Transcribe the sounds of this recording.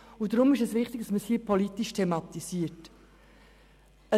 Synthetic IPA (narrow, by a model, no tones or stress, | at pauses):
ʊdɾʊmɪʃɛsʋɪχtɪɡ̥̚d̥ɑsməshiəpʰɔlit̪iʃtʰɛmɑt̪isiət | ə